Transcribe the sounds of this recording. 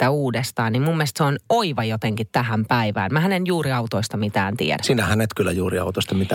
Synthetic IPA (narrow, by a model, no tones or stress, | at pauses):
t̪æuːdest̪ɑːnnimmumːiest̪seonoiʋɑjot̪eŋkit̪t̪æhæmpæiʋæ̰ːnmæɦænenjuːɾiɑut̪oist̪ɑmit̪æːnt̪ḭḛɾæsiːnæhænet̪kylːæjuːɾiɑ̰ut̪ost̪ɑmit̪æ